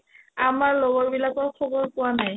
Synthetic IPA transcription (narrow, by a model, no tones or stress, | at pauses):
amaɹlɔɡɔɹbilakɔɹkʰɔbɔɹpʊwanaj